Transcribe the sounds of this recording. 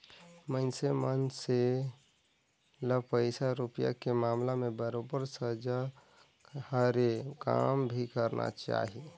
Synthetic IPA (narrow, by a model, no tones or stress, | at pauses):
mənsemənse | ləpəɪsaɾupija̰kemaːmlamebəɾobəɾsəd͡ʒa | həɾeka̰mbʱikəɾnʔa̰t͡ʃa̰ːɦi